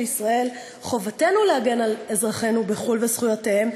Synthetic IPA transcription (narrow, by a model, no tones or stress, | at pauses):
isʁae̞l | χo̞vate̞nuleaɡe̞nale̞zʁaχe̞nubeχulvesχujateem